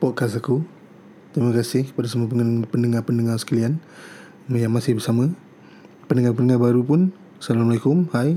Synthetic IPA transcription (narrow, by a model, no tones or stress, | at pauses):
pɔʔkas̬aku | t̪ɾiməkasɪhkə̥padasəmuapəpəndəŋapəndəŋarsə̥kəlian | mjaŋmasɪhbərsamə̃ | pəndəŋapənəŋabaɾupʊn | salamalekʊmhaj